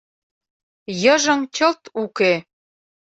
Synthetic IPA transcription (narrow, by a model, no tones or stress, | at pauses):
jəʒə̆ŋt͡ɕəlt̪uke